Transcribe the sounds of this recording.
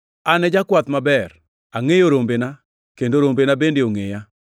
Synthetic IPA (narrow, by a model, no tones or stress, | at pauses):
anɛd͡ʒakwat̪mabɛr | aŋejoɾombena | kendoɾombenabendeoŋeja